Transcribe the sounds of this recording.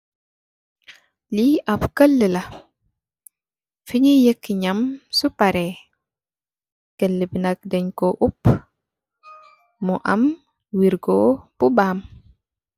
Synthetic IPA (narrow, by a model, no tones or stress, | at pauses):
liɐpkəlːəlɐ | fiɲejəkːiɲɐmsupaɾɛ | kəlːəbinɐk̚dɛɲkoʔup | muʔɐm | wiɾɡopubaːm